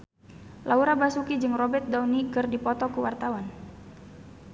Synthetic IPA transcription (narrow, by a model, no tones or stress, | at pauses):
lʔauɾabasukid͡ʒɨŋrɔbɛt̪̚dawnikɨrdipɔt̪ɔkuwart̪awan